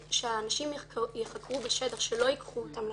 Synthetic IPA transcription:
ʃeaːnaʃimjeχakʁubeʃedaʁʃelo̞jikχuotaml

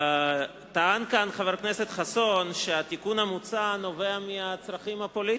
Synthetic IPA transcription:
t̪aankanχaveɾkneset̪χasonʃeat̪ikunamut͡sano̞veamiat͡sʁaχimhapoli

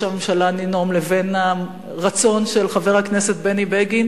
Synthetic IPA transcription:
amemʃalanino̞mleve̞na | ʁat͡so̞nʃelχave̞ʁhakne̞set̪̚benibeɡin

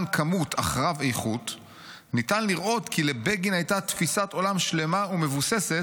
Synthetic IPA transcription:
nkʰamutʰa̰χʁavejχut | nitanliʁʔo̞t̪kile̞beɡinajtat̪fisato̞lamʃle̞maume̞vuse̞se̞t

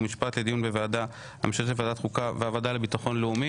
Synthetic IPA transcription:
miʃpat̪le̞d̪ijunbe̞vead̪a | a̰miʃalevead̪at̪χukaveavadalebit̪aχo̞nleumi

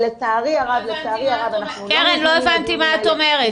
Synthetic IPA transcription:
let̪aʁiaʁavlet̪aːʁiaʁavana | keʁenloevant̪imaːt̪omeʁe

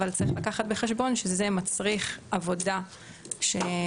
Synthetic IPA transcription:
valt͡saʁiχlakaχat̪̚be̞χeʃbo̞nʃezemat͡sʁiχavo̞da | ʃe

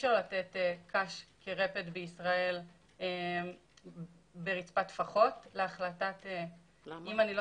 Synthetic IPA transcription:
ʃaʁlatetekʰaʃkʰeʁe̞petbeisʁae̞l | e | beʁit͡spatfaχo̞tleaχlatate | imanilo

